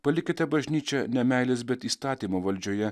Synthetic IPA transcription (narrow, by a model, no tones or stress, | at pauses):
pɐlʲɪkʲɪt̪ʲɛbɐʒʲnʲiːt͡ʃʲɛnʲɛmʲæˑɪlʲeːsbʲɛt̪iːst̪ɑːt̪ʲiːmoːʋɐlʲd͡ʒʲoːjɛ